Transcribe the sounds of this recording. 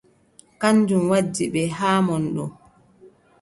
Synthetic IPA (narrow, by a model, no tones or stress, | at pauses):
kanːd͡ʒumwad͡ʒːiɓɛɦaːmɔnɗɔ̰